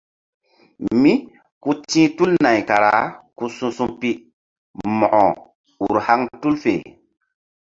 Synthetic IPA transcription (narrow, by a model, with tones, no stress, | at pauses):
mi˦ | ku˦tĩ˦tu˦lna˨jka˨ɾa̰˨˦ku˦sũ˦sũ˦mpi˦ | mɔ˨ʔɔ˨ | u˨ɾha˦ŋtu˦lfḛ˨